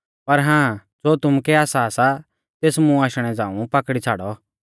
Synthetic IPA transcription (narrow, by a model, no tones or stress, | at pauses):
pɐɾɦãː | d͡zoːt̪ʊmukɛaːsasa | t̪eːsmũaːʃɽ̃ɛd͡zãːṵ̃pɐkɽit͡sʰaːɽɔ